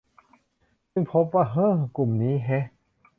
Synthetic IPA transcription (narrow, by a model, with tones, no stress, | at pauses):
sɯ˥˩ŋpʰo˦˥p̬̚waː˥˩ɦɤː˦˥˩ku˨˩mniː˦˥ɦɛ˦˥